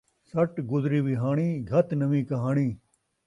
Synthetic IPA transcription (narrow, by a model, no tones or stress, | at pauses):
sɐʈɡʊzɾiːʋiɦaːɳ̃iːɡʱɐt̪nɐʋĩːkɐɦaːɽiː